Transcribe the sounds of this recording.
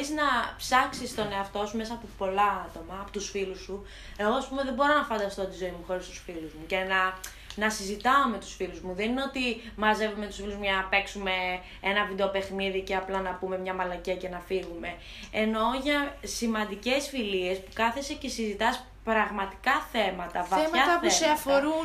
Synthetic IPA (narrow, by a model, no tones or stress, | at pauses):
iznɐpsɐksist̪o̞ne̞ɐft̪o̞sume̞sɐːpopo̞lɐɐt̪o̞mɐːpot̪usfilusu | e̞ɣoɐspume̞ðebo̞ɾo̞nɐfɐnd̪ɐst̪o̞t̪izo̞imuxo̞ɾist̪u̥sfiluzmucenɐ | nɐsizit̪ɐome̞t̪u̥sfiluzmuðenineot̪imɐze̞vumet̪usfiluzmɐnɐpe̞ksume̞ | enɐvid̪e̞ope̞xniðiceɐplɐnɐpume̞mɲɐmɐlɐcece̞nɐfiɣume̞ | eno̞ʝɐsimɐnd̪ice̞sfilie̞spukɐθesecesizit̪ɐs | pɾɐɣmɐt̪i̥kɐθe̞mɐt̪ɐvɐemɐɐt̪ɐpuseɐfoɾu